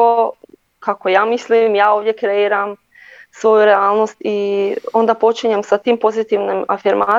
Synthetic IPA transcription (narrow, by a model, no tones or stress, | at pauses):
o | kako̞jaːmislimjaːoːʋdje̞kɾe̞iːɾam | sʋo̞juɾeaːlˠno̞st̪io̞nd̪apo̞t͡ʃiɲemsat̪impo̞zit̪iʋnima̰fiɾma